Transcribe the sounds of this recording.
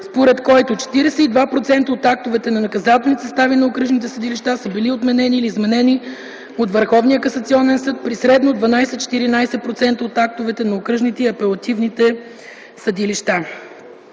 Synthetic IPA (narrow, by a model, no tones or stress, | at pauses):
spoɾɛt̪kɔjt̪ot͡ʃɛ̥t̪iɾɛsɛid̪vapɾot̪sɛnt̪əot̪ak̚t̪ovɛt̪ɛnɐnɐkɐzat̪ɛlnit̪səst̪avinɐokɾɤʒnit̪ɛsəd̪iliʃt̪asəbiliot̪mɛnɛniːliːzmɛnɛni | ot̪vəɾxɔvnijəkɐsɐt̪siɔnɛnsɤt̪̚pɾisɾɛd̪nod̪vɐnajsɛt̪t͡ʃɛ̥t̪iɾinajsɛpɾot̪sɛnt̪əot̪ak̚t̪ovɛt̪ɛnɐokɾɤʒnit̪ɛiɐpɛlˠɐt̪ivnit̪ɛ | səd̪iliʃt̪a